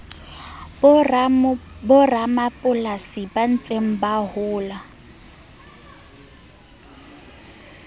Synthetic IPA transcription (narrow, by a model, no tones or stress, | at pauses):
bʊramapʼʊlasiban̩t͡sʼem̩bahʊːla